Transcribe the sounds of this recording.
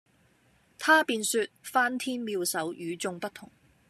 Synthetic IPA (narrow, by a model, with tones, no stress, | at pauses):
t̪ʰaː˥piː˧nsyː˧t̚faː˥nt̪ʰiː˥nmiː˧wsɐ˨˥wjyː˨˧t͡sʊ˧ŋpɐ˥t̪ʰʊ˨˩ŋ